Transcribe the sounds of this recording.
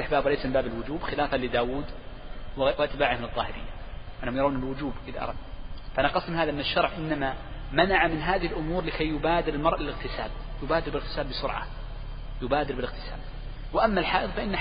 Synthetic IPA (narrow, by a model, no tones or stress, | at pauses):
aħbaːbwɪlajsamɪmbaːbɪlwʊd͡ʒuːbxɪlaːfalɪd̪aːwuːd̪ | wwʔat̪baːʕɪhmɪnɨðˤːɑːhɪɾɪ̰jːa | ʔanːhʊmjɑɾˤaːnɪlwʊd͡ʒuːbʔɪðaʔɑ̰ɾˤɑ̰d̪nfaʔanaqɑsˤːmnaːðaʔɪnːaʃːɑɾˤʕʔɪnːama | manaʕamɪnɦaːðɪhɪlʔʊmuːɾlɪkʰajːʊbaːd̪ɪɾlmɑɾˤʔalɪlɪɣt̪ɪsa̰ːb | jʊbaːd̪ɪɾbɪlɪɣt̪ɪ̥saːlbɪsʊɾʕa̰ | jʊbaːd̪ɪɾbɪlɪɣt̪ɪ̥sa̰ːb | wɪʔamːalħaːʔɨðˤfaʔɪnːa